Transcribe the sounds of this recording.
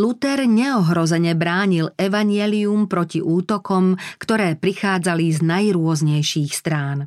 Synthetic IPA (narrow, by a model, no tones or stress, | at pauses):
lut̪ɛɾɲɛɔɦɾɔzɛɲɛbɾaːɲilɛʋaɲɪɛliumpɾɔciʔuːt̪ɔkɔmkt̪ɔɾɛːpɾixaːd͡zaliznajɾʊɔzɲɛjʃiːxst̪ɾaːn